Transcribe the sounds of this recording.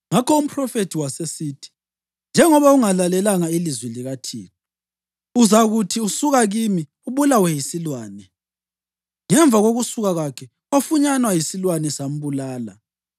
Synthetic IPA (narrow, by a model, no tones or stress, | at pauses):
ŋakɔum̩pʰʼrɔfetʰiwasesiːtʰi̥ | nd͡ʒʱɛŋɔβauŋalalɛlaŋailizwɛliɣatʰḭːkɔ | uzaɣutʰiusuɣaɣimi | uβulawɛjisilwaːnɛ | ŋɛɱb̪vʱaɣoɣusuɣaɣakʰɛ | ofuɲanwajisilwanɛsam̩βulaːla̰